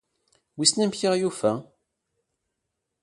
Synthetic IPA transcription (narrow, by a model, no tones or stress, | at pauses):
wisnæmçiʁjufæ